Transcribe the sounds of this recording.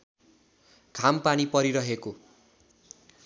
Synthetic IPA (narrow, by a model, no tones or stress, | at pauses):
kʰampanipʌɾiɾʌɦeko